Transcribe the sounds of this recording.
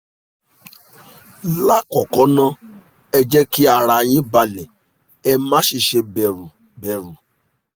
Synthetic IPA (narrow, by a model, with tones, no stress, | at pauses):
la˦kɔ˨kɔ˨˦nã˦ | ɛ˧d͡ʒɛ˦ki˦a˧˨ɾa˧j̃ĩ˦ba˧lɛ˨ | ɛ˧mã˨˦ʃi˨ʃe˧bɛ˨ɾu˨ | bɛ˨ɾu˨